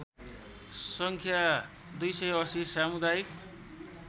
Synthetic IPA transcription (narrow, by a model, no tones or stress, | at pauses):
sʌŋkʰja | d̪ujsʌjʌsisamud̪ajik